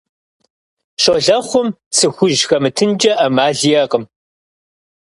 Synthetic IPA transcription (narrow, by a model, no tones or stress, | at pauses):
ʂoɮɐχʷʊm | sʰɨxʷʊʒxɐmɨtʰɨnd͡ʒʼɐʔɐmaːɮijɐqəm